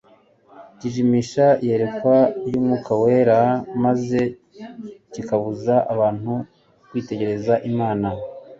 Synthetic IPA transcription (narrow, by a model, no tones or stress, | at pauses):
ciʒimiːʃaihe̞ɾe̞kwajuːmŋuːkʰawe̞ɾamaze̞ | cikaβuzaʔaβaːn̥hu | kwiːte̞ɟe̞ɾe̞zaʔimaːna